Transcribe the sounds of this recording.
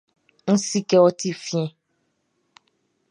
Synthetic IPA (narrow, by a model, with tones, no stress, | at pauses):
n̩˦si˦kɛ˦ɔ˦ti˦fĩ˦ɛ̃˦